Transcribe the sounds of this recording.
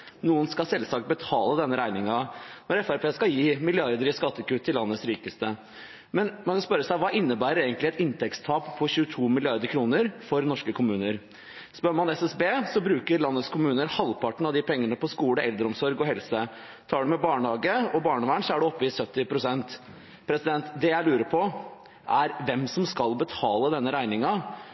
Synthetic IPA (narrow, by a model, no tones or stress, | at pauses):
nuːənskɑlsɛlsɑk̚t̪̚bət̪ʰɑːləd̪ɛnːəɾæɪnɪŋɑnɔɾɛfæɾpeːskɑjiːmɪlɪɑɾd̪əɾɪskɑt̪ːəkʉt̪ʰːɪlɑnːəsɾiːkəst̪ə | mɛnmɑnkʰɑnspœɾəsæɪʋɑːʔɪnːəbæːɾəɾeːɡənt̪lɪɛt̪ɪnt̪ʰɛkst̪ʰɑːppʰɔçʉːət̪ʰuːmɪlɪɑɾd̪əɾkʰɾuːnəɾfɔɾnɔʂkəkʰʊmʉːnəɾ | spœmɑnɛsɛsbeːsɔbɾʉːkəɾlɑnːət̪skʰʊmʉːnəɾhɑlpʰɑʈɳ̩ɑd̪ɪpʰɛŋːəɳəpʰɔskuːɽəʔɛld̪ɾəɔmsɔɾɡɔɦɛlsə | t̪ʰɑːɖʉmɛbɑːɳhɑːɡəɔbɑːɳɔʋæɳsɔæɖʉɔpːəɪsœt̪ːɪpʰɾʊsɛnt̪ | pʰɾɛsɪd̪ɛnt̪d̪ɛjæɪlʉːɾəpʰɔ | ʔæɾʋɛmsɔmskɑlbət̪ʰɑːləd̪ɛnːəɾæɪnɪŋɑ